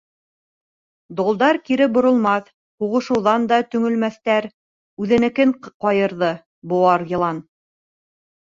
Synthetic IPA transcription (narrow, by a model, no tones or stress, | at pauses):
d̪olˠd̪ɑɾkiɾɘbŏɾŏlˠmɑθ | huʁɤ̆ʃɤ̆wðɑnd̪ɑt̪ɵ̆ŋɵ̆lmæθt̪æɾ | ʉðɘ̆nɘ̆kɘŋqɒjɤ̆ɾðɤ | bŏɑɾjɤ̆lˠɑn